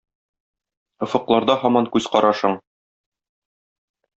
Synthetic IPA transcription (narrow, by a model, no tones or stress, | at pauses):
ŏfɤ̆qlˠɑɾd̪ɑhɒmɑnkʉzqɒɾɑʃɤɴ